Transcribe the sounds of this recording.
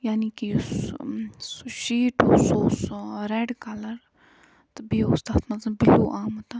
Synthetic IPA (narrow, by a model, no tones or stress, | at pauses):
jaːniːkiʊs | sʃiːʈʊsoːsɾɛːɖkɐlɐɾ | t̪ɐbiːʊst̪aːt̪ʰmɐt̪lɐbbiluːʔaːmut̪a